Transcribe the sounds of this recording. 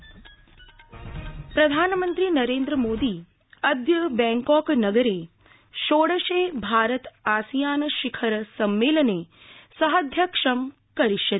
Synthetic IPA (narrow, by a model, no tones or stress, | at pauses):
pɾɐd̪ʱaːnmə̃nt̪ɾinɐɾeːnd̪ɾəmoːd̪i | ɐd̪jəbɛ̃ːŋkɔːknɐɡəɾe | ʃoːɽəʃebʱaːɾət̪aːsijaːnʃikʰəɾsɐmːeːləne | sɐɦəd̪ʱjəkʂəm | kɐɾiʃɐt̪